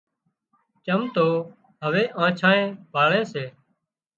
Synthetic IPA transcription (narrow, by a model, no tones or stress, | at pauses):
kəmt̪oː | ɦəʋeːʔãːt͡ʃʰãːẽːbʱaːɭẽːseː